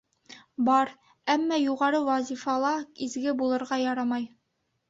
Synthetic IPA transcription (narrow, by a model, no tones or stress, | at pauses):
bɑɾ | æmːɑjuʁɑɾɤwæzʲifɑlˠɑizɡɘbulˠɤ̆ɾʁɑjɑɾɑmɑj